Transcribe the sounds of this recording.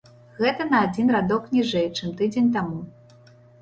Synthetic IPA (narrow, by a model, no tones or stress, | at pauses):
ɣɛt̪ɐnɐad͡zʲinrad̪ɔknʲiʐɛjt͡ʂɨmt̪ɨd͡zʲenʲt̪amu